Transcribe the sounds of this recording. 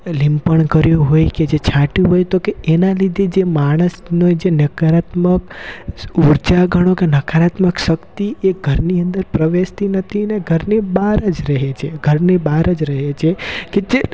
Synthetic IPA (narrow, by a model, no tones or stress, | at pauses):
limpəɳkəɾjũɦojked͡ʒet͡ʃʰãʈjũɦojt̪okeenalid̪ʱed͡ʒemaɽ̃əsnod͡ʒenəkaɾat̪mək | uɾd͡ʒaɡʱəɽ̃okenəkʰaɾat̪məkʃəkt̪ieɡʱəɾniə̃nd̪əɾpɾəʋest̪inət̪ʰineɡʱəɾnebaɾəd͡ʒɾəɦet͡ʃʰeɡʱəɾnebaɾəd͡ʒɾəɦet͡ʃʰeked͡ʒe